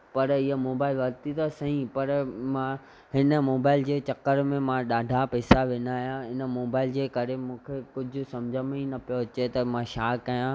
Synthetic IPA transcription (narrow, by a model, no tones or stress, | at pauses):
pɐɾɪɦəmoːbaːɪlʋɐɾt̪ʰit̪ɐsɐɦĩpɐɾmã | ɦɪnə̆moːbaːɪld͡ʑeːt͡ɕɐkːəɾmẽmãɗaːɖʱapɛːsaʋɪnaːjãɦɪnə̆moːbaːɪld͡ʑeːkɐɾemũːkʰekʊd͡ʑʱʊ̆sɐ̃md͡ʑʱəmĩnɐpijoɐt͡ɕet̪ɐmãʃaːkːɐjã